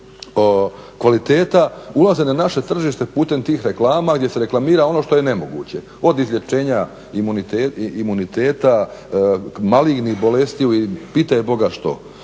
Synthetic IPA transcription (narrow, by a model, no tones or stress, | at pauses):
okʋalit̪e̞ːt̪aulˠazenanaʃe̞t̪r̩ʒiːʃt̪e̞puːt̪e̞mt̪iːxɾe̞klˠaːmaɡd̪ʲje̞se̞ɾe̞klˠamiːɾao̞no̞ːʃt̪o̞je̞ne̞mo̞ɡṵːt͡ɕe̞ | o̞d̪izʎʲe̞t͡ʃe̞ːɲa | imunit̪eimunit̪eːt̪a | maliɡnixbo̞le̞st̪iuipiːt̪ajebo̞ɡaʃt̪o̰